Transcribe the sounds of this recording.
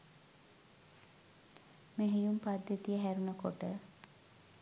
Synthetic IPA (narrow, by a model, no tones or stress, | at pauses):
meɦijumpad̪jet̪ijəɦæɾunəkoʈə